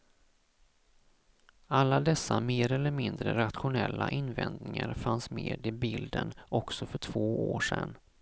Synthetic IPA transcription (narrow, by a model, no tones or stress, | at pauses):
alːad̪ɛsːameːɾɛlːəɾmɪnd̪ɾəɾat̪ɧʊnɛlːaʔɪnvɛnd̪nɪŋaɾfansmeːd̪ɪbɪld̪ənɔksɔfœʈʰv̥oːoːʂɛ̰n